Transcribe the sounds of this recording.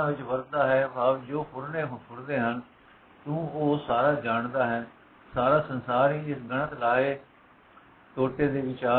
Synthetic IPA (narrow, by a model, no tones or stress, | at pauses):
ãːʋɪt͡ʃʋəɾd̪aːɦɛːbaːʋd͡ʒoːpʰʊɽneːɦpʰʊɽd̪eːɦən | t̪ũːoːsaːɾaːd͡ʒaːɳd̪aːɦɛː | saːɾaːsənsaːɾiːɪsɡəɳət̪laːeː | t̪oːʈeːd̪eːʋɪt͡ʃaː